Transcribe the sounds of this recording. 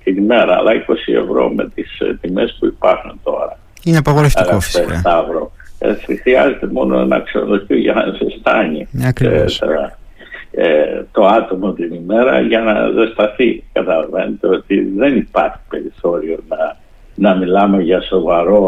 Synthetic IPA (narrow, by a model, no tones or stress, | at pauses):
t̪inime̞ɾɐ̰ːlʔɐiko̞sie̞̰vɾo̞̰met̪ist̪imespuipɐɾxunt̪o̞̰ɾɐ | ineɐpɐɣoɾefɣoest̪ɐvɾo̞ḛt͡sixɾiɐze̞t̪emo̞noḛnɐ̰kseoloçiʝɐnɐ̰ðest̪ɐniɾet̪eɾɐ | t̪o̞ɐt̪o̞mot̪inime̞ɾɐ̰ʝɐnɐ̰ðest̪ɐθikɐt̪ɐlɐve̞net̪eo̞t̪iðe̞nipɐɾçi̥pe̞ɾiθo̞ɾio̞nɐ | nɐmilɐme̞ʝɐso̞vɐɾo̞